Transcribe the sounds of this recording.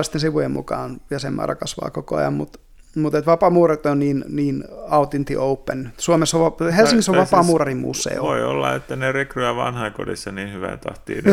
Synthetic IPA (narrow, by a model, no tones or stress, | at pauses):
st̪ensiʋujemmṵkɑːnɑsemːɑ̰ːrɑ̰kɑsʋɑ̰ːkokoɑ̰jɑ̰mmut̪ | mut̪et̪ʋɑpɑmuːrɑrit̪onniːnniːnɑut̪int̪ḭʔoupːensuomesoʋʋɑhelsiŋkisːoʋʋɑpɑˑmuːrɑrimmṵːsːḛioʋoio̰lːɑet̪ːænerekryjɑʋɑnhɑikodisːɑniːnhyʋæ̰nt̪ɑht̪ḭːn